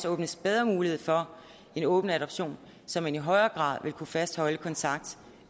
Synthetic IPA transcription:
sɔ̽ːb̥nəsb̥eð̞ˠʁɐmuːlihe̝ð̞̰ˠfɒ̽ | e̝nɔ̽ːb̥n̩æɾɒ̽b̥ɕo̝̰ːn | sɒ̽mːæniɦɒ̽ɪɐːɡ̥ʁɑ̰̈ːðˠʋe̝lkʰufæsd̥hɒ̽ləkʰɒ̽nt͡sʰɑ̈ɡ̥d̥

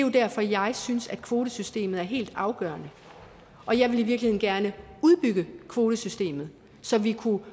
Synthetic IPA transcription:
jo̝d̥æɐfɒ̽jɑ̈ɪsynsæd̥̚kʰʋo̝ːɾ̥əsysd̥e̝̰ːmð̞̩ˠæɐɦe̝̰ːld̥ɑ̈ʊɡ̥ɶ̰ːɐnə | ʔɒ̽jɑ̈ɪʋe̝liʋiɐɡ̥lihe̝̰ːnɡ̥æɐnəuðˠb̥yɡ̥əkʰʋo̝ːɾəsysd̥e̝̰ːmð̞̩ˠ | sɒ̽ʋikʰu

